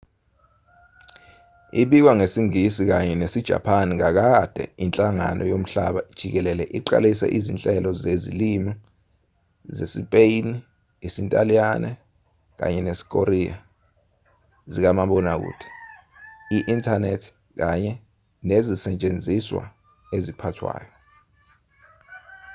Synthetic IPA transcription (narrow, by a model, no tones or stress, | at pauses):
iɓik̬waŋesiŋisik̬aɲɛnesid̥ʒ̥ʱa̰pʰanikak̬ad̥ʱɛ̰int͡ɬʼaŋa̰nʔɔ̰jom̩ɬa̰ɓad̥ʒ̥ʱik̬ɛlɛlɛʔiǃa̰lisɛ̰ʔizint͡ɬʼɛlɔzezḭlima | zesipʼejni | isintʼalijanɛ | k̬a̰ɲɛnesi̥k̬ʼoɾia | zik̬amaɓɔnak̬ṵːtʰi̥ | iʔintʰanetʰ | k̬aɲɛ | nezisɛt͡ʃʼend͡zʱiswa̰ | ezipʰatʰwa̰ːjɔ